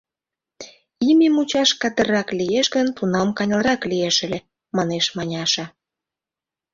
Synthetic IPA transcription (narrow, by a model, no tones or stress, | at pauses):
imʲemut͡ɕɑʃkɑd̪ə̆rɑklijeʃɡənt̪unɑmkɑnʲlɾɑklijeʃəlʲe | mɑneʃmɑnʲɑʃɑ